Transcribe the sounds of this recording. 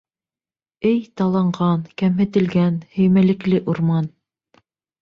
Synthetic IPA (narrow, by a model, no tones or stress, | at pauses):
ɘjt̪ɑlˠɑɴʁɑnkæmɦɘ̆t̪ɘ̆lɡænhɵ̆jmælɘ̆klɘʔuɾmɑn